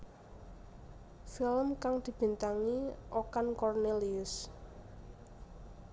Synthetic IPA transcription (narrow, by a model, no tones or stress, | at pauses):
filəmkaŋd̪̥i̤b̥i̤nt̪aŋiʔokankɔrneliʊs